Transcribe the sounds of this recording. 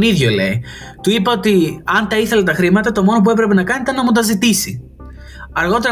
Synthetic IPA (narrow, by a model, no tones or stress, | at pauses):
niðʝolḛi | t̪uipɐot̪iɐnt̪ɐiθe̞let̪ɐxɾimɐt̪ɐt̪o̞mo̞no̞p̬ue̞p̬ɾe̞pe̞nɐkɐnit̪ɐnnɐmut̪ɐzit̪isi | ɐɾɣo̞t̪̬e̞ɾ